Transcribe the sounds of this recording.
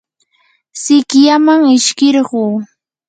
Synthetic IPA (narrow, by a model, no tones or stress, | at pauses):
sɪkjamaŋɪʃkɪɾɢuː